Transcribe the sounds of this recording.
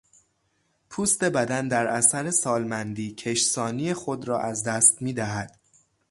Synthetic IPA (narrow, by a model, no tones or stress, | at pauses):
pʰuːst̪e̞bæd̪ænd̪æɾʔæsæɾe̞sɒːlmænd̪iːcʰe̞ʃsɒːnijexod̪ɾɒːʔæzd̪æːst̪miːd̪æɦæd̪̥